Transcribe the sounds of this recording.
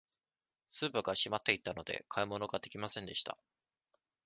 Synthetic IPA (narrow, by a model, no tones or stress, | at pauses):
sɨːpaɡaɕimat̪ːe̞it̪ːano̞d̪e̞̰kʰaimo̞no̞ɡad̪e̞kʲimasẽ̞nd̪e̞ɕi̥t̪a̰